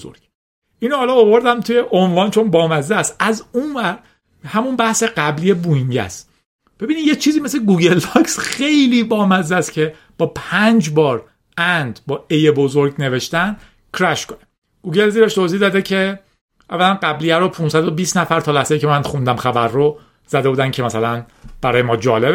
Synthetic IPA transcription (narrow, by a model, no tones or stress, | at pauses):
zoɾ̥ | ʔiːnohɒːlɒovo̞ɾd̪æmt̪ʰujeʔonvɒːnt͡ʃʰo̞nbɒːmæzæsʔæzunvæɾ | hæmunbæhse̞ɢæblijebuiɲɟæ̰s | b̥ebiniːd̪jet͡ʃʰiːziːmesleɡuɟe̞lːɒksχe̞jliːbɒːmæzæst̪cʰe̞ | b̥ɒːpʰænd͡ʒbɒːɾ | ænd̪bɒːejebo̞zoɾɟne̞ve̞ʃt̪ænd̪ | kʰɾæʃkʰone | ɡ̥uːɟe̞lziɾeʃt̪ʰozihd̪ɒːd̪ecʰe̞ | ʔævːælænɢæblijæɾopʰunsæd̪obiːsnæfæɾt̪ʰɒːlæhsejicʰemænxund̪æmxæbæɾːo | z̥æd̪buːd̪æncʰe̞mæsælænb̥æɾɒːjemɒːd͡ʒɒːleb